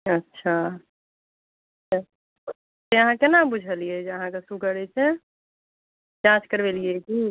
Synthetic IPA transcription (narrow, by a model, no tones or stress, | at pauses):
ɐtːʃʰa | ʃʰa | t̪ejɐɦãkenabʊd͡ʒʱəlied͡ʒɐɦãkasuɡəɾet͡ʃẽ | d͡ʒãːt͡ʃkəɾʋelieɡi